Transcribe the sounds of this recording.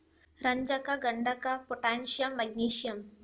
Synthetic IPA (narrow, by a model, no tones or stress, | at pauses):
ɾəɲd͡ʑakaɡəɳɖakapoʈanɕjəmːəɡ̚niɕjɐm